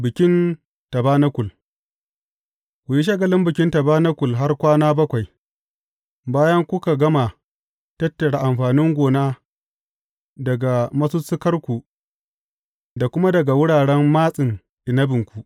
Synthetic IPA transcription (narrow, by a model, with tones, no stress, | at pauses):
bɪ˨kʲɪ˦n | tɐ˨baː˦na˦kʷʊ˨l | kʷʊ˨ji˦ʃ̬ɐ˦ɡɐ˨lɪ˦mbɪ˨kʲɪ˦ntɐ˨baː˦na˦kʷʊ˨lɦa˦rkʷaː˦naː˦bɐ˦kʷa˨j | baː˦jɐ˦ŋkʷʊ˦ka˨ɡɐ˦ma˨ | tɐ˦tːɐ˨ɽa˨ʔa˨mɸaː˨nɪ˦ŋɡʷoː˨naː˦ | dɐ˨ɡa˨mɐ˦su˦sɪ˦kɐ˦rkʷu˨ | da˨kʷʊ˦ma˦dɐ˨ɡa˨wʊ˦ɽaː˨ɽɛ˦mːaː˦sʼɪ˨n | ʔɪ˨nɐ˦bɪ˨ŋkʷu˦ʔ